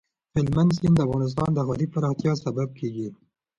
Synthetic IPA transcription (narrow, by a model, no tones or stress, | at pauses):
fɪlmand̪sind̪əafɣɑnɪs̬t̪ɑnd̪əɦɑɾipaɾɑxt̪jɑsabab̚kʰeɡi